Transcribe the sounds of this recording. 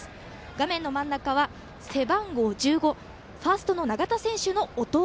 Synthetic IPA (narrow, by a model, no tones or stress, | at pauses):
ɡamẽ̞nːo̞mãnːakaβa | se̞bãŋɡo̞ːd͡ʑɨːɡo̞ | ɸasɨ̥t̪o̞no̞naɡat̪asẽ̞ɰ̃ɕɨno̞ot̪o̞